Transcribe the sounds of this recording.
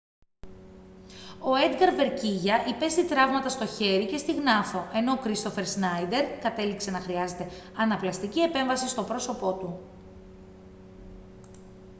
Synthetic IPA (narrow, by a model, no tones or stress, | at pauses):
o̞e̞d̪ɡɐɾve̞ɾciʝɐʔipe̞st̪it̪ɾɐvmɐt̪ɐst̪o̞çe̞ɾice̞st̪iɣnɐθo̞ʔe̞no̞kɾist̪ofe̞ɾsnɐjd̪e̞ɾkɐt̪e̞likse̞nɐxɾiɐze̞t̪e̞ɐnɐplɐst̪icie̞pe̞ɱvɐsist̪o̞pɾo̞so̞po̞t̪u